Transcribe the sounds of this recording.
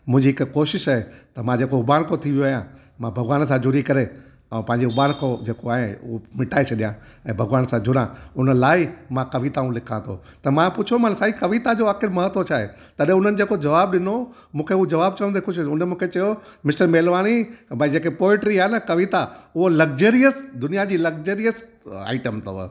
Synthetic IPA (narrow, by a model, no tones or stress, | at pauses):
mʊ̃ɦɪ̃ɲd͡ʑiɦɪkkoːʃɪʃaːɦet̪ɐmãd͡ʑeːkoʊbaːɽkʰot̪ʰiʋjoaːjã | mãbʱɐɡʋaːns̬ãd͡ʑʱʊɾikɐɾe | ɛ̃pɐ̃ɦɪ̃ɲd͡ʑeʊbaːnkʰod͡ʑeːkoaːɦẽʊɦomɪʈʰaːet͡ɕʰɐɗijã | ɛ̃ːbʱɐɡʋaːnsãd͡ʑʊɾãʊnəlaːɪmãkɐʋit̪aũlɪkʰãt̪ʰo̰ | t̪ɐmãpʊt͡ɕʰomansaːikɐʋit̪ad͡ʑoːʋaːkɪɾmɐɦət̪ʋot͡ɕʰaːɦḛ | t̪ɐɗẽʊn̤ənɪ̆d͡ʑeːkod͡ʑɐʋaːbɗɪno | mũːkʰeʊɦd͡ʑɐʋaːb̚t͡ɕɐʋə̃nd̪ekʰʊʃʰʊnemũːkʰet͡ɕɐjomɪsʈəɾmeːlʋaːnibɐd͡ʑeːkepoːɪʈɾiɦaːnɐkɐʋit̪aʊɦolɐɡd͡ʑəːɾijəsd̪ʊnijad͡ʑiːlɐɡd͡ʑəːɾijəs | a̰ːɪʈəmt̪ʰɐʋə̰